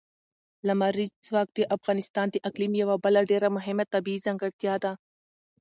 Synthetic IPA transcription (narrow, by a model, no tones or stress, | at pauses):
lɐmaɾiswaːk̚t̪iʔɐfɣaːnɪst̪aːnt̪iʔɐklimjɐʋabɐlaɖeːɾamʊɦɪmet̪ɐbiːzɐŋɡəɽt̪jaːd̪a